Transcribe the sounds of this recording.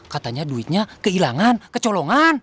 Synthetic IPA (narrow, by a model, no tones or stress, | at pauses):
kat̪aɲaduit̪̚ɲakəilaŋankət͡ʃɔlɔŋan